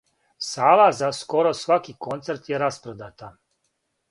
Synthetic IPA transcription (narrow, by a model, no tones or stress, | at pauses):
saːlazasko̞ɾosʋakiko̞nt̪seɾt̪jeɾaspɾod̪at̪a